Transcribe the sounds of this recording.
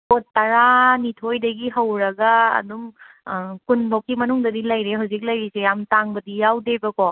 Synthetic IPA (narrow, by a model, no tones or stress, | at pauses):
kotːɐɾanitʰojdɐɡiɦɐwɾɐɡɐ̰ːdum | kunbʱawkːimɐnuŋdɐdilɐjɾeɦawzik̚lɐjɾisejamtaŋbɐdijawdebɐkɔ